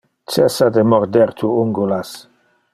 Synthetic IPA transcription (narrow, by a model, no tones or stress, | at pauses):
t͡ʃɛsad̪emɔɾd̪eɾt̪ʰuuŋɡulas